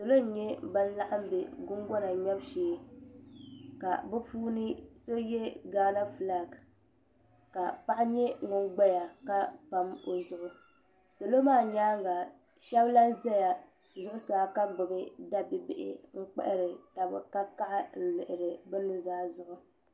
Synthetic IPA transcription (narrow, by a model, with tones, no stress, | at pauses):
so˨lo˦n̩˨˦ɲɛ˦ba˦n˦la˦ʔa˦m˦be˨ɡʊ˦ŋ˦ɡɔ˦na˨ɲɛ˦bʃeː˨˦˨ | ka̰˨bɨ˦puː˦nɨ˦so˦jɛ˦ɡaː˦na˦fla˨ɡ | ka˨pa˦ʔa˦ɲɛ˦ŋʊ˨nɡ͡ba˦ja˨ka˦pa˨mo˨zʊ˨ʔʊ˨ | so˨lo˦maː˦˨ɲaː˦ŋ˦ɡa˨ | ʃɛ˦bla˦zɛ˦ja˨ | zʊ˦ʔʊ˦saː˨˦ka˦ɡ͡bʊ˨bɨ˦da˦bɪ˦bɪ̰˨ʔɪ̰˨ŋ̩˦k͡pɛ̰˦ʔɪ˦ɾɪ˨ta˨bɨ˨ka˦ka˦ʔɪ˦n̩˨lɪ˨ʔɪ˨ɾɨ˨bɛ˦nu˦zaː˦zʊ˨ʔʊ˨